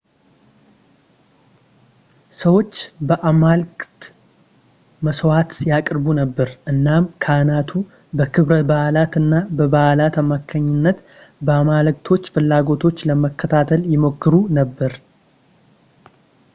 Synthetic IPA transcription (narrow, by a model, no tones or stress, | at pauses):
səwo̞t͡ʃːbəʔamalkʼt̪ | məswat̪jakʼɾbunəbːəɾʔɨnːamkʰanat̪ʰu | bəkʰɨβɾət̪̚bahlat̪ɨnːabəbahlat̪amakʰːəɲːɪnːət̪ | bəamalk̚ʼt̪ʰo̞t͡ʃːfɨlːaɡo̞t̪ʰo̞t͡ʃːləməkʰːət̪ʰat̪ʰəljɪmokʰːɨɾunəbːəɾ